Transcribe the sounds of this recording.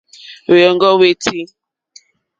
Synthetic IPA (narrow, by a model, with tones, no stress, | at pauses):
wjɔ˨ŋɡɔ˦we˦ti˦